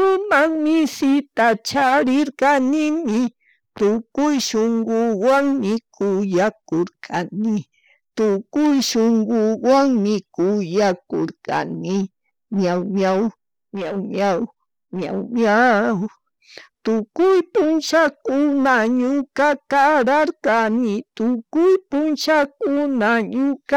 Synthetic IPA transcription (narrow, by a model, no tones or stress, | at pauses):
ɾʊmamɪsɪt̪at͡ʃaɾɪɾkanɪmɪ | t̪ʊkʊjʃoŋɡʊwaŋmɪkʰʊjakoɾkʰanɪ | t̪ʊkʊjʃoŋɡʊwaŋmɪkʊjako̰ɾka̰nɪ | ɲawɲaw | ɲawɲaw | ɲawɲaw | t̪ʊkʊjpʊnt͡ʃakʊnaɲʊkakaɾaɾkanɪt̪ʊkʊjpʊnt͡ʃakʊnaɲʊka